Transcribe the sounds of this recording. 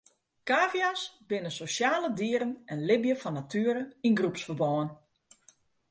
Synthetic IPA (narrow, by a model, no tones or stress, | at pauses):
kaːvjasbɪnənsosjaːlədiəɾənɛnlɪbjəfɔnːatʰyːəɾəinɡrupsfərbɔːən